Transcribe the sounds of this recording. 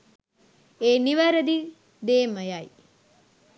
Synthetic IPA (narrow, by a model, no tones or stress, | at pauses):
eːniʋəɾəd̪i | d̪eːməjaj